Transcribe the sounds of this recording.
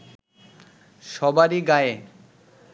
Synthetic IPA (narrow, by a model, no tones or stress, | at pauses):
ʃɔbaɾiɡae